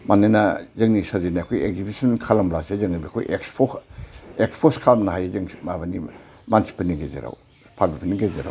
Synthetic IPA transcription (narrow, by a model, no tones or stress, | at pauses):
manːajnazɐŋnisazinakʰojeɡ̚zibisɐnkʰalɐmblasezɐŋnɐbikʰo̰jʔekspʰo | ek̚spʰoskʰamnaɦajazɯŋmabani | mansi̥pʰːɐniŋɡezḛɾa̰w | pʰaɾbipʰɐniŋɡezeɾa̰w